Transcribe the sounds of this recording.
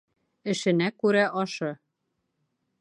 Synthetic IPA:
ɘ̆ʃɘ̆nækʉɾæʔɒʃɤ

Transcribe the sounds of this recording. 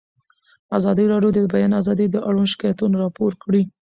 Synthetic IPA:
azɑd̪iɾɑɖjod̪əbajɑnazɑd̪id̪əʔaɽunʃɪ̥kɑjat̪unoɾɑpoɾkɽi

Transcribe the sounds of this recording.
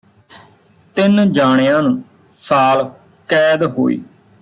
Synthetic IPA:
t̪ɪnd͡ʒaːɽ̃ejãːnũː | saːl | kɛːd̪ɦo̰ːḭː

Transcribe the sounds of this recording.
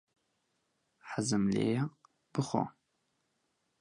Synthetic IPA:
ħazɨmlḛjɐ | b̥ɨχʷo̰

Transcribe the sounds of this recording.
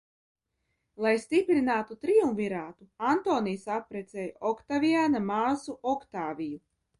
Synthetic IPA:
lˠajst̪ipɾinaːt̪ut̪ɾiuɱviɾaːt̪uant̪oːnijsapɾɛt̪sɛːjɔkt̪aviaːnamaːsuʔɔkt̪aːviju

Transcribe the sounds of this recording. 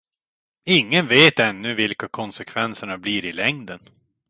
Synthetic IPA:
ɪŋːənveːt̪ɛnːɵvɪlkakʰɔnsɛkʰvɛnsəɳabliːɾɪlɛŋd̪ən

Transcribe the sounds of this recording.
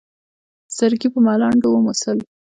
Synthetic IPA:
z̥aɾɡipəmɑlɑɳɖowmusəl

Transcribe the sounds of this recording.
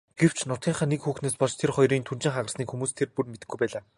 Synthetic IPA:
ɡ̥ew̥t͡ɕʰnʊt̪ɡʲiːɴχăːnekxuːxneːspɔɮt̪ʰerχɔjriːnt̪ʰun̥t͡ɕɪ̆ŋχaʁə̆rsniːkxumuːst̪ʰerpurmet̪ɘ̆ɡujpæːɮaː

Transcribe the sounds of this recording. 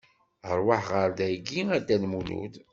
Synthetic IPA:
əɾˤwaħʁəɾd̪æjɡiæd̪ælmunṵd̪

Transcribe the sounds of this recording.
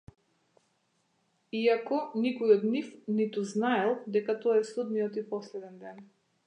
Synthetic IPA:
iakɔnikɔjɔd̪nifnit̪uznaɛlˠd̪ɛkat̪ɔaɛsud̪nijɔt̪ipɔslɛd̪ɛnd̪ɛn

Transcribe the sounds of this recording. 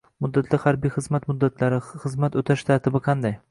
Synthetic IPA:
mʊd̪ːat̪ʰlɪhaɾbijχɨzmat̪mʊd̪ːat̪ʰlaɾɪχɨzmat̪ot̪ʰaʃt̪ʰaɾt̪ʰɪbɪqʰɑnd̪aj

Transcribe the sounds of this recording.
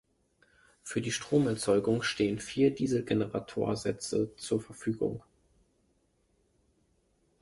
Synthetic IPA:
fyːɐdiːʃtʁ̥oːmɛɐt͡sɔʏɡʊŋʃteːənfiːɐdiːzl̩ɡenəʁa̰tʰo̰ːɐzɛt͡sət͡suːɐfɛɐfyːɡʊ̰ŋ

